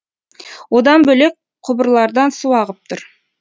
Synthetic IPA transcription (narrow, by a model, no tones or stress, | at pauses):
wo̞d̪ɑnbɵlek̚ | qʰʊbəɾlˠɑɾd̪ɑnsuwɑʁəp̚t̪ʰʊɾ